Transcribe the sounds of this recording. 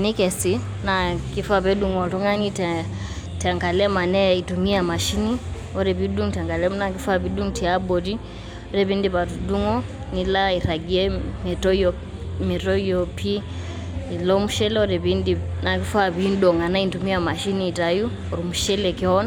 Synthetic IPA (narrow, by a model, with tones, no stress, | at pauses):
ni˦kɛ˨si˦ | na˨ki˦faβɛ˦ɗu˦ŋɔ˨ɾu˦ŋa˦ni˦tɛ | ta˨ŋɡa˨lɛ˦ma˨nɛ˦i˨tu˨mi˦a˨ma˨ʃi˦ni˦ | ɔ˦ɾɛ˨βidu˦ŋta˨ŋɡa˨lɛ˦m˦na˨ki˦fa˦βi˨ɗu˦ŋtia˦bɔ˨di˦ | ɔɾɛβi˦ndiβa˨tu˨du˦ŋɔ˦ | nila˦i˨ɾa˨ɡi˨ɛ˦mɛtɔ˦ɔ | mɛtɔ˦jɔpi˦ | i˨lɔ˦mu˦ʃɛ˦lɛ˦ɔɾɛβindina˨ki˦faβin˦dɔ˨ŋa˨na˦intumi˦a˨ma˨ʃi˦niː˦˨ta˨ju˦ | ɔ˨ɾu˨mu˨ʃɛ˦lɛkɛ˦ɔ˦n